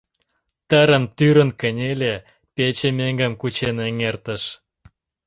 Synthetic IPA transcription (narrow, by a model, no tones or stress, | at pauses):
t̪əɾə̆nt̪yɾə̆nkə̆nʲelʲe | pet͡ɕemeŋɡə̆mkut͡ɕeneŋert̪əʃ